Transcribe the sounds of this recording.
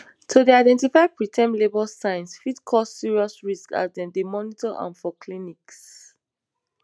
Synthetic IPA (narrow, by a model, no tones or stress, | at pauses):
tʰodeaɪdɛ̃ntifaɪpɹitʰɛ̃mlebɔlsãɪ̃nsfidkʰɔssiɹiɔsɹiska̰dɛ̃ndemɔnitɔʔã̰nfɔkʰliniks